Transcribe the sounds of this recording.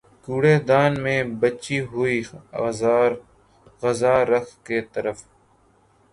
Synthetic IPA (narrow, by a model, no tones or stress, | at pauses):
kuːɽeːd̪aːnmẽːbɐt͡ʃiɦʊi | ɣɐzaːɾɐkʰket̪ɐɾəf